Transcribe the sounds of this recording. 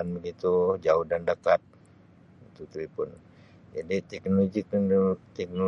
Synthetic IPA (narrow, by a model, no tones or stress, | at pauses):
anbəɡit̪ud͡ʒaʊhdandakat̪̚ | it̪ut̪uipʊn | d͡ʒadit̪ɛk̚noloɡit̪ɛk̚no